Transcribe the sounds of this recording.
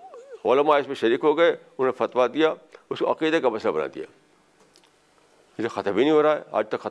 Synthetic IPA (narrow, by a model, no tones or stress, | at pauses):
oːlmaɪsmẽʃɐɾiːkɦoːɡɐeʊnẽfɐt̪ʋad̪ijaːʊskoɐqiːd̪ekamɐslabɐna̰ːd̪ḭja̰ː | ɪsexɐt̪əbʱinĩɦoːɾaːḛa̰ːd͡ʒt̪ɐkxɐ